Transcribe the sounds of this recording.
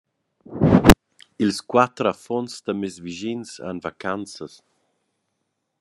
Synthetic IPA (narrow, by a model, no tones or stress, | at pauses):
ilskwat̪ɾafɔnsd̪̥əmezviʒinsa̰nvakant͡səs